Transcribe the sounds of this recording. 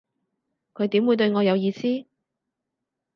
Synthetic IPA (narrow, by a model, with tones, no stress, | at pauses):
kʰɵ˨˧jt̪iː˨˥mwu˨˧jt̪ɵ˧ɥŋɔː˨˧jɐ˨˧wjiː˨˧siː˥